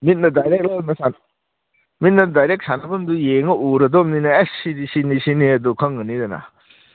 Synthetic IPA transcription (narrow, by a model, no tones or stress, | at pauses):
mit̚nɐdajɾek̚lɐnɐsan | mit̚nɐdajɾek̚sanɐbɐmdujeŋɐʔuɾɐdɔmninɐesidisinisiniɐdukʰɐŋɡɯnidɐna̰